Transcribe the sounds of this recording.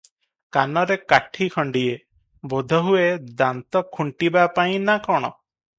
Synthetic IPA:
kanɔɾekaʈʰikʰɔɳɖie | bod̪ʱɔɦued̪ant̪ɔkʰuɳʈibapaj̃nakɔɽ̃ɔ̰

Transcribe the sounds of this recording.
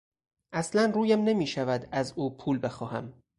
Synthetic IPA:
ʔæslænruːjæmne̞miːʃævæd̪æzuːpʰuːlbe̞xɒːhæm

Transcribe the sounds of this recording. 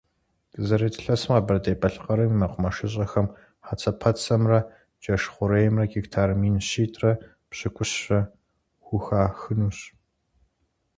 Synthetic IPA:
ɡzɐɾeːtʰɬɐsɨmqɐbɐrdeːbɐɬqɐɾɐmimɐqʷʊmɐʂɪɕ̬ʼɐxɐm | ħat͡sʰɐpʰɐt͡sʼɐmrɐ | d͡ʒɐʂχʷʊɾejɛmrɐɡiktʰaːrmiːnɕiːtʰʼrɐ | pɕɪkʷʼʊɕɕɐ | xʷʊxaːxɨnuːɕ

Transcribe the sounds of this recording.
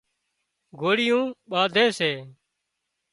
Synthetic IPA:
ɡʱoːɽɪjũːɓaːd̪ʱeːseː

